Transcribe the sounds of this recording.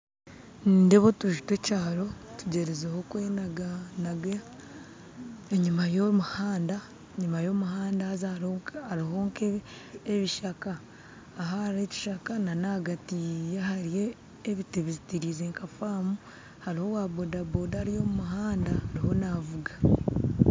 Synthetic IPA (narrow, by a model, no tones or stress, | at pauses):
niːndeβo̞tuʒutwecaːɾo̞tuɟeɾezehokweːnaɡanaɡe | eɲumajomuhaːnda | eɲumajo̞muhaːndaazaoaɾiɦo̞ːŋkeeβiʃakaː | ɦahɾeci̥ʃakananaɡatijahaɾijeː | βiteβizitiɾiːzeːŋkafaːmu | haɾiho̞waːβodabodaaɾijo̞ːmumuɦaːndahːɾiho̞navuɡḁ